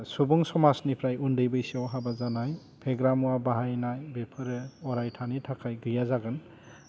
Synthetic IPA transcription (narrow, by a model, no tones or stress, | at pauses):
subuŋsɔmasnipʰɾajundɯjbɯjsiɔwɦabazanaj | pʰeɡɾamuabaɦajnajbepʰɯɾɯɔɾajtʰanitʰakʰajɡɯjazaɡɯn